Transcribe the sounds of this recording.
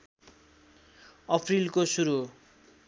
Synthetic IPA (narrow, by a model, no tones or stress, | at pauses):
ʌpʰrilkosuɾu